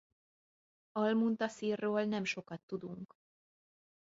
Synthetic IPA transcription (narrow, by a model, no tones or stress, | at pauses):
ɒlmunt̪ɒsiːrːoːlnɛmʃo̞kɒt̪ːud̪uŋk